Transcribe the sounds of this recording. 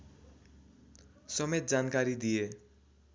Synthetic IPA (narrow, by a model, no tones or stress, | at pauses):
sʌmet̪̚d͡zankaɾid̪ije